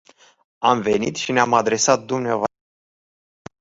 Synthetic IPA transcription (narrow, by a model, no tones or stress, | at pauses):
amve̞nit̪ʃineamad̪ɾe̞sat̪̚d̪umneavoa